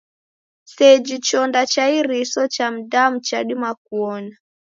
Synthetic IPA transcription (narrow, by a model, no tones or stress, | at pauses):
sɛd͡ʒit͡ʃɔndat͡ʃaiɾisɔt͡ʃam̩dam̩t͡ʃaɗimak̚uɔna